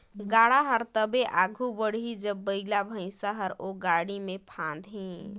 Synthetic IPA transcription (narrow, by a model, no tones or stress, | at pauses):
ɡaɽaɦəɾt̪əbeʔaɡʱubəɽid͡ʒəbːəɪlabʱə̃ɪ̃saɦəɾoɡaɽimepʰãnd̪ɦĩ